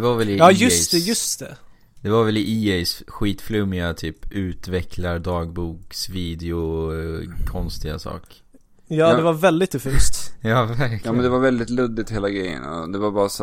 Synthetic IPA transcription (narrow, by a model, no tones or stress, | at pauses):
ɛvaɾvɛlɪɑːjɵst̪ɛjɵst̪ɛ | d̪̥ɛvaɾvɛlɪʔiːɛjsɧiːt̪flɵmːɪat̪ʰyːpʉ̟ːt̪vɛkʰlaɾd̪ɑːɡbuːksviːd̪ɛʊ | kʰɔnst̪ɪɡa̰sɑ̰ːk | jɑːd̪ɛvaɾvɛld̪ɪt̪ːɵfʉːst̪jɑːvæɾkɑːmɛnd̪ɛvaɾvɛld̪ɪt̪lɵd̪ːɪt̪heːlaɡɾɛjːə̰nɔ̰d̪ɛvaɾbɑːɾas